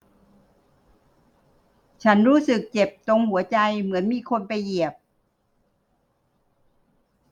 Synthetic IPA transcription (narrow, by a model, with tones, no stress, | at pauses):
t͡ɕʰa˦˥nɾuː˦˥sɯ˨˩k̚t͡ɕe˨˩p̚t̪o˧ŋhu˩˦ɐt͡ɕa˧jmɯ˩˦ənmiː˧kʰo˧npa˧jːi˨˩əp̚